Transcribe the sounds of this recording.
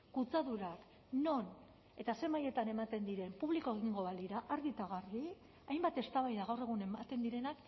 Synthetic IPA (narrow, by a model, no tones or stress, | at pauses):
kut͡saðuɾak | no̞n | e̞t̪ase̞maje̞t̪ane̞mat̪e̞nd̪iɾe̞mpuβliko̞e̞ɣ̞iŋɡo̞βaliɾaʔaɾɣit̪aɣ̞ari | ajmbat̪e̞st̪aβajðaɣawre̞ɣune̞mat̪e̞nd̪iɾe̞nak